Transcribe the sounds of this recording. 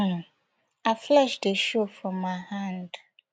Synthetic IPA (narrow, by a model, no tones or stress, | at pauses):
n | aɪflɛʃdeʃofɹɔ̃mːaɪhãnd